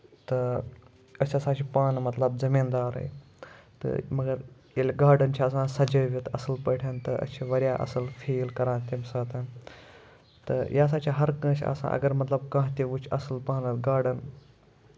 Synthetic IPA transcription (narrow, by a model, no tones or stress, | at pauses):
t̪ɨ | ɐsʲasaːt͡ʃʰipaːnmɐt̪lɐb̚zɐmiːnd̪aːɾə̰j | t̪ɨ̰mɐɡɐɾ | elʲɡaːɖənt͡ʃʰiɐsãsɐd͡ʒɐʋit̪ʰɐsɨlpɐʈʰʲant̪ɨʔɐ̰t͡ʃʰiʋɐɾjaːʔɐ̰sɨlfʰiːlkɐɾãːt̪ʲimsaːt̪ɨn | t̪ɨ̰jaːs̬aːt͡ʃʰiɦɐɾkɐ̃ːt͡ʃʰʲɐ̰sã̰ːʔɐ̰ɡɐɾmɐt̪lɐb̚kãːɦt̪iʋut͡ʃʰɐsɨlpaːnɨt̪ɡaːɖən